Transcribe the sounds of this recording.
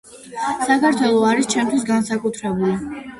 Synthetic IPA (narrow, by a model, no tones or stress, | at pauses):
sakʰaɾt̪ʰwɛlˠɔaɾist͡ʃʰɛmt̪ʰwis̬ɡansakʼut̪ʰɾɛbuli